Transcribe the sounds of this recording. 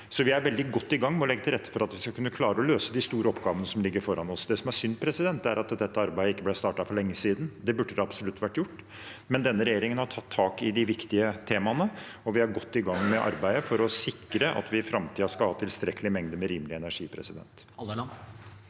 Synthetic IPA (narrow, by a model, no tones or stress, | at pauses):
sɔʋɪæɾʋɛld̪ɪɡɔt̪ːɪɡɑŋːmɛɔlɛɡːət̪ʰɪlɾɛt̪ːə̥fɔɾɑt̪ʋɪskɑkʉnːəkʰlɑːɾəɔløːsəd̪ɪst̪uːɾəɔpɡɑːʋənəsɔmlɪɡːəɾfɔɾɑnɔsd̪ɛsɔmæsʏnd̪pʰɾɛsɪd̪ɛnt̪ːæ̰ɾʔɑt̪d̪ɛt̪ːəɑɾbæɪəɪkːəblæɪst̪ɑːʈɑfɔɭɛŋːəsiːd̪n̩d̪ɛbʉɖːəd̪ɛɑbsɔlʉt̪ːʋæʈːjʊʈː | mɛnd̪ɛnːəɾɛjeːɾɪŋənhɑʈʰɑt̪ʰːɑːkɪd̪ɪʋɪkt̪ɪət̪ʰeːmɑnəɔʋɪæɾɡɔt̪ːɪɡɑŋːmɛʔɑ̰ɾbæɪəfɔɾɔsɪkːɾəʔɑ̰t̪ʋɪfɾɑmt̪ʰiːɑskɑlhɑːt̪ɪlst̪ɾɛkːəlɪmɛŋd̪əmɛɾiːmlɪɛnæʂiːpʰɾɛ̰sɪd̪ɛ̰nt̪